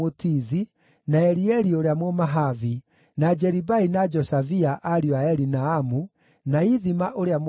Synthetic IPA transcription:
otizi | naɛɾiɛɾioɾeamomaɦavi | nad͡ʒɛɾibainad͡ʒɔsaviaʔaɾiɔaɛɾinaamu | naiðimaʔoɾeam

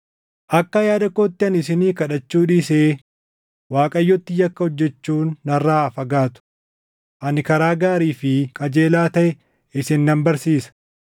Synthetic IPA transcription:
ʔɐkːɐjaːd̪ɐkːoːt̪ːɪɐnɪs̬ɪniːkɐᶑɐt͡ʃːuːᶑɪse | waːkʼɐjːɔt̪ːɪjɐkːɐhɔd͡ʒːɛt͡ʃːuːnːɐrːaːfɐɡaːt̪ʊ̥ | ʔɐnɪkɐɾaːɡaːɾiːfɪkʼɐd͡ʒe̞ːlaːt̪ɐʔɛ | ɪsɪnːɐmbɐɾsiːsɐ̥

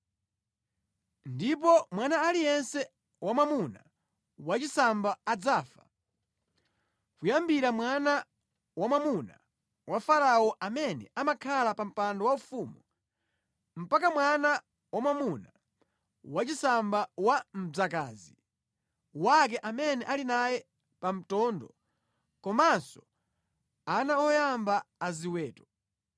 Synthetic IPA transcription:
ndip̬ɔmwanaːlijɛnsɛ | wamamuna̰ | wat͡ʃisambaːd͡zaːfḁ̰ | kujambiɾamwana | wamamuna̰ | wafaɾaɔʔamɛnɛ̰amakʰalapam̩pandɔwaufumu | m̩pakamwana | wamwamuna | wat͡ʃisambawam̩b͡ʐakaːzi | wak̬ɛʔamɛnɛʔalinajɛ | pam̩tɔːndɔ | kɔmansɔ | anaɔjambaːziwɛːtɔ̥

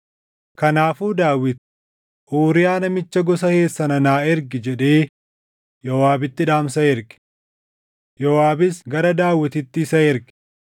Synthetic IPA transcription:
kɐnaːfuːd̪aːwːɪt̪ | ʔoːɾɪjaːnɐmɪt͡ʃːɐɡɔs̬ɐhe̞ːsːɐnɐnaːɪɾɡɪd͡ʒɛᶑeː | jɔwaːbɪt̪ːɪᶑaːmsɐɪɾɡɪ̥ | jɔwaːbɪsɡɐɾɐd̪aːwːɪt̪ɪt̪ːɪɪsɐɪɾɡɪ̥

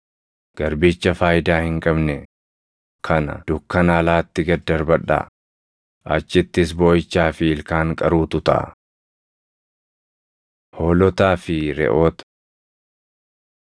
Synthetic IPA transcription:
ɡ̥ɐɾbiːt͡ʃːɐfaːjɪd̪aːhɪŋkʼɐbnɛ | kʰɐnɐ̰d̪̥ʊkːɐnaːlaːt̪ːɪɡɐd̪ːɐɾbɐᶑa̰ː | ʔɐt͡ʃːɪt̪ːɪs̬boːjɪt͡ʃːaːfɪɪlkaːŋkʼɐɾuːt̪ʊt̪ɐ̰ʔ | hoːlɔt̪aːfɪɾɛ̰ʔo̞ːt̪

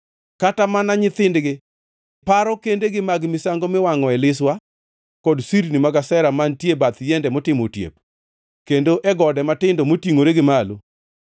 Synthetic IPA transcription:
katamanaɲɪt̪ɪndɡɪ | paɾɔkendeɡɪmaɡmɪsaŋɡomɪwaŋɔɛlɪswa | kɔdsiɾnimaɡasɛɾamantjebat̪jɛndɛmɔtɪmo̰tjḛp̚ | kendoʔɛɡɔdɛmatɪndomotiŋoɾeɡɪmalo̰

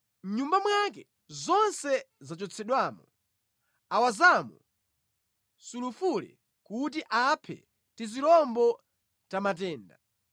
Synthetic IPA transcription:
mɲumbamwak̬ɛ | zɔnsɛzat͡ʃɔt͡sʰɛɗwamɔ | awazamɔ | sulufulɛ̰ | kut̬iʔapʰɛ̰ | tiziɾɔmbɔ | tamat̬ɛːnda̰

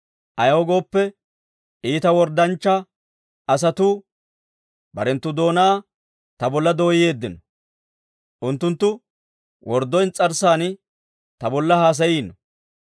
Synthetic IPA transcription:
ʔɐjɐwɔɡo̞ːpːɛ | iːt̪ɐwɔɾd̪ɐnt͡ʃːɐ | ɐs̬ɐt̪u | bɐ̰ɾɛnt̪ːʊd̪o̞ːnaː | t̪ɐbɔlːɐd̪o̞ːjɪje̞ːd̪ːɪnɔ | ʔʊnt̪ːʊnt̪ːʊ | wʔɔɾd̪ɔjnt͡sʼɐɾsaːn | t̪ɐbɔlːɐhaːs̬ɐjiːnɔ

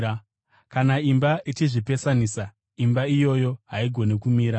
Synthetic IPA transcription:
kanaimbaʔit͡ʃiʐipe̞sanisa | imbaijo̞jo̞ɦaiɡʱo̞nekumiːɾa

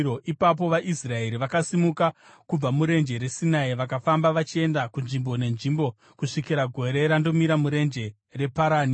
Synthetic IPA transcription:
oʔipap̬o̞ʋaʔisrae̞ɾiʋakasimuka | kub͡vamuɾe̞nd͡ʒe̞ɾe̞sinaiʋakafambaʋat͡ʃie̞ndakunʐimbo̞ne̞nʐimbo̞ | kuʂikiɾaɡʱo̞ɾe̞ɾando̞miɾamuɾe̞nd͡ʒe̞ | re̞paɾaːni

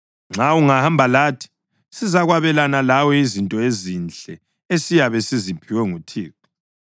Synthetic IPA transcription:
ŋ͡ǁʱauŋahambʱalaːtʰi̥ | sizaɣwaβɛlanalawɔizintʼɔezint͡ɬʼɛ | esijaβɛsizipʰiwɛŋutʰiːk̚ʰu

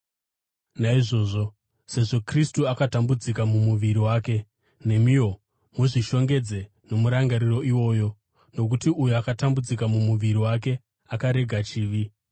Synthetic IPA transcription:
naiʐo̞ːʐo | se̞ʐo̞kristuakatambud͡zikamumuʋiɾiwaːke̞ | ne̞mijo̞ | muʐiʃo̞ŋɡe̞d͡ze̞ | no̞muɾaŋɡaɾiro̞iwo̞ːjo̞ | no̞k̬utiujuakatambud͡zikamumuʋiɾiwak̬e̞ | akaɾe̞ɡʱat͡ʃiːʋi

